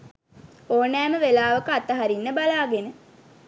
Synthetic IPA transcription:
oːnɛːməʋelaːʋəkəat̪əɦaɾinːəbalaːɡenə

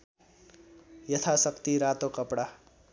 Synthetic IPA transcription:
jʌt̪ʰasʌkt̪iɾat̪okʌpɽa

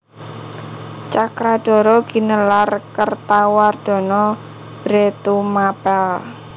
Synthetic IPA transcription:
t͡ʃakɾad̥ɔ̤ɾɔɡ̥i̤nəlarkərt̪award̪̥ɔ̤nɔ | b̥ɾet̪umapɛl

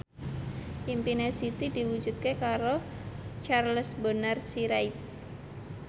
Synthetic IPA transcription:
ʔimpinesit̪idiwu̥d͡ʒṳt̪̚kekaɾo | t͡ʃarləsbənərsiɾait̪̚

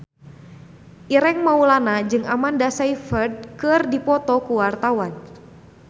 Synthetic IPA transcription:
ʔiɾɛŋmaulanad͡ʒɨŋamandasaifɛd̚kɨrdipɔt̪ɔkuwart̪awan

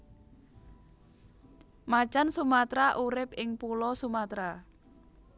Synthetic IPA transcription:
mat͡ʃansumat̪ɾaʔuɾɪpɪŋpulɔsumat̪ɾa

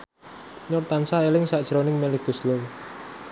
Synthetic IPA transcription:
ɲʊrt̪ansaelɪŋsad̥ʒ̥ɾonɪŋmeleɡ̥ṳslow

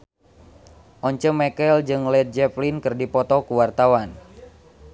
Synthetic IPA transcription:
ʔɔɲt͡ʃəmɛkɛld͡ʒɨŋlɛt̪̚d͡ʒɛplinkɨrdipɔt̪ɔkuwart̪awan

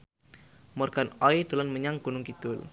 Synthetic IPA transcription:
mɔrɡ̥anɔjt̪ulɔnməɲaŋɡ̥unʊŋkit̪ʊl

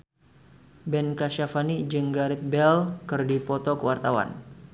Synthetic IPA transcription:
bɛnkaʃafanid͡ʒəŋɡaɾit̪̚bɛlkərdipɔt̪ɔkəwart̪awa̰n

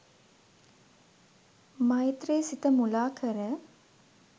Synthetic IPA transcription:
mɐjt̪reːsit̪əmulaːkʰəɾə

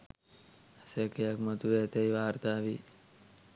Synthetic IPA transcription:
sekejakmɐt̪uʋeːt̪ejʋaːɾt̪aːʋi

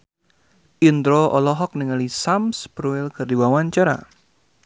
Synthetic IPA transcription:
ʔind̪ɾoʔɔlɔɦɔk̚niŋalisamspɾuɪlkɨrdiwawaɲt͡ʃaɾa̰

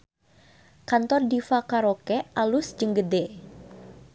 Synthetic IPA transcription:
kant̪ɔrdifakaɾokɛʔalusd͡ʒɨŋɡədɛ

